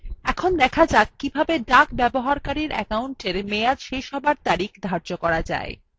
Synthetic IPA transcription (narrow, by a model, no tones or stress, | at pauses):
ɛkʰond̪ɛkʰad͡ʑakkːibʱabeɖakbɛboɦaɾkaɾiɾʔɛ̰kauɳʈeɾmead͡ʑʃejʃɦɔbaɾt̪aɾikd̪ʱaɾd͡ʑokɔɾad͡ʑa̰e